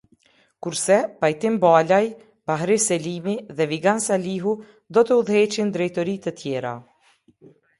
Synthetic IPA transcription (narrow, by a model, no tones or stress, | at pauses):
kuɾsɛpajt̪imbalaj | baɦɾisɛlimiðɛviɡansaliɦu | d̪ɔt̪ɛuðhɛt͡ʃind̪ɾɛjt̪ɔɾit̪ət̪jɛɾa̰